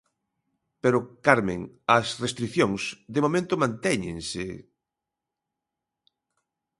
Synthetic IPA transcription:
peɾʊkaɾmẽŋ | ɐsrest̪ɾikθjoŋsd̪emomẽnt̪ʊmãnt̪ɛɲɪ̰̃ŋsɪ

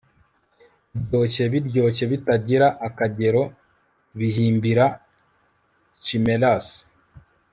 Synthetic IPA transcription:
ɾjo̞ce̞βiɾɟo̞ce̞βitaɟiɾaʔːkaɟe̞ɾo̞ | βiɦiːmbiɾa | t͡ʃime̞las

